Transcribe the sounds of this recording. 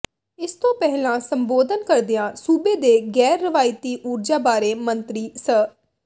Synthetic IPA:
ɪst̪õːpɛɦlãːsəmboːd̪ənkəɾd̪ɪjãːsuːbeːd̪eːɡɛːɾːəʋaːɪt̪iːʔuːɾd͡ʒaːbaːɾeːmənt̪ɾiːsəː

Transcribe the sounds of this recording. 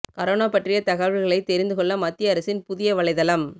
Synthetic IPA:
kɐɾoːnaːpɐʈrɪjɐt̪ɐɣɐʋɪɾɣɐɭɐɪt̪ːɛɾɪnd̪ɯkɔɭːɐmɐt̪ːɪjɐɐɾɐsɪnpʊðɪjɐʋɐɭɐɪðɐlɐm

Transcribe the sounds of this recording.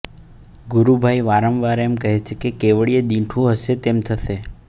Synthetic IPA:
ɡʊɾubʱajʋaɾəmʋaɾemkəɦet͡ʃʰekekeʋəɭied̪ĩʈʰũɦəʃet̪emt̪ʰəʃe

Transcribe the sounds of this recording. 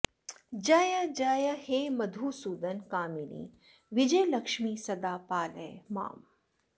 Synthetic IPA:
d͡ʒaːjad͡ʒaːjɐheːmɐd̪ʱuːsuːd̪ɐnkaːminḭː | ʋid͡ʒɐjlɐkʃmiːsɐd̪aːpaːlḛjma̰ːm

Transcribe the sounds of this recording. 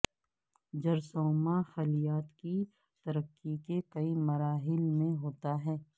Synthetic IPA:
d͡ʒɐɾsoːmaxɐlijaːt̪ki | t̪ɐɾəkːikekɐimɐɾaːɦɪlmẽɦoːt̪aɦɛː

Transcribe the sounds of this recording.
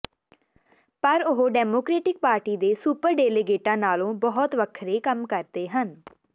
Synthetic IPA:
pəɾʊɦoɖɛːmoːkɾeːʈɪk̚paːɾʈiːd̪eːsuːpəɾɖeːleɡeːʈãːnaːlõːbɔɦt̪ʋəkʰɾeːkəmkəɾd̪eːɦən

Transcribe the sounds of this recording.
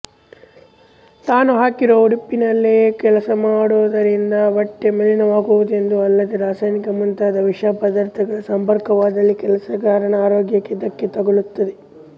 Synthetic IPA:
t̪aːnuɦaːkiɾouɽipːinɐlːeːkɛlɐsɐmaːɽuʋɐd̪ɐɾind̪ɐʋɐʈːemɐlinɐʋaːɡuʋud̪e̞nd̪uɐlːɐd̪eɾaːsaːjnikɐmunt̪aːd̪ɐʋiʂapɐd̪aːɾt̪ʰɐɡɐɭɐsɐmpɐɾkɐʋaːd̪ɐlːikɛlɐsɐɡaːɾɐɳɐaːɾoːɡjɐkːed̪ɐkːet̪ɐɡoɭut̪ːɐd̪e

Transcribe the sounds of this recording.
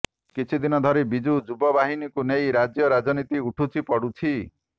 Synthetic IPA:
kit͡ʃʰid̪inɔd̪ʱɔɾebid͡ʒud͡ʒubɔbaɦinikunejɾad͡ʒjɔɾad͡ʒɔnit̪iuʈʰut͡ʃʰipɔɽut͡ʃʰi

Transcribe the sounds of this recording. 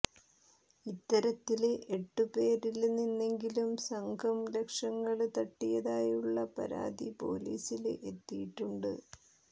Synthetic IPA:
it̪ːɐɾɐt̪ːileʔeʈːupe̞ːɾilninːe̞ŋɡilumsɐŋɡʰʱɐmle̞kʂɐŋːɐɭt̪ɐʈːijɐðaːjuɭːɐpɐ̰ɾa̰ːd̪ipo̞̰ːlḭːsilḛʔet̪ːijiʈːuɳɖɨ̰

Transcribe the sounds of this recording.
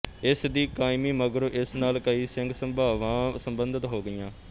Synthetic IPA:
ɪsd̪iːkaːɪmiːməɡɾʔɪsnaːlkəiːsɪŋɡsəbaːʋãːsəmbənd̪ət̪ɦoːɡɪjãː

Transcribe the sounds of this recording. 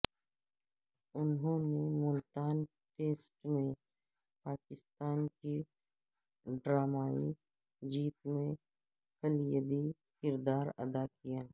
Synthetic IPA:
ʊnɦõːnemʊlt̪aːn | ʈeːsʈmẽ | paːkɪst̪aːnki | ɖɾaːmaːḭ | d͡ʒiːt̪mẽ | kəljəd̪i | kɪɾd̪aːɾɐ̰d̪akijaː

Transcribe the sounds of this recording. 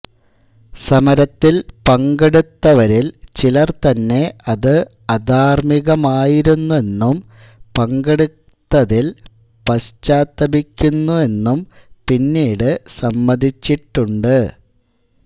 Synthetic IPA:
sɐmɐɾɐt̪ːilpɐŋɡeɽut̪ːɐʋɐɾilt͡ɕilɐrt̪ɐnːe̞ɐðɨ | ɐd̪ʱaːrmiɣɐmaːjiɾunːue̞nːum | pɐŋɡeɽu | t̪ːɐðil | pɐɕt͡ɕːaːt̪ːɐbikʲːunːue̞nːumpinːiːɽɨsɐmːɐd̪ʱit͡ɕːiʈːuɳɖɨ

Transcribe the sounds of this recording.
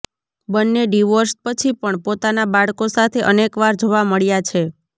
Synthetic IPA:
bənːeɖiʋoɾspət͡ʃʰipəɳpot̪anabaɭkosat̪ʰeʔənekʋaɾd͡ʒoʋaməɭjat͡ʃʰe

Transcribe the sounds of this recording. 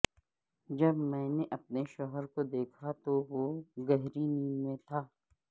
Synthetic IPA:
d͡ʒɐbmɛ̃ːneʔɐp̚neʃɔɦəɾkod̪eːkʰat̪oʋoɡɛɦɾiniːnmẽt̪ʰaː

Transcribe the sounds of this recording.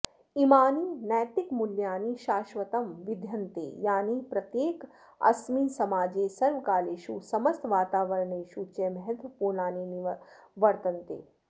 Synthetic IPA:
imaːniːnɛːt̪ɪkmʊljaːniːʃaːʃʋɐt̪ɐmʋɪd̪ʱjɐnt̪ḛːjaːnipɾɐt̪jeːk | ɐ̰smiːsɐmaːd͡ʒeːsɐɾʋkaːleːʃusɐmɐst̪ʋaːt̪aːʋɐɾɳeːʃuːt͡ʃemɐɦɛt̪ʋəpuːɾnaːniniʋɐɾt̪ɐnt̪ḛː

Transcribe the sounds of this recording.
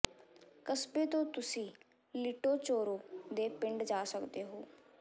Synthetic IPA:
kəsbeːt̪õːt̪ʊsĩː | liʈoːt͡ʃoːɾõːd̪eːpɪ̃ɳɖd͡ʒaːsəkd̪eːɦoː

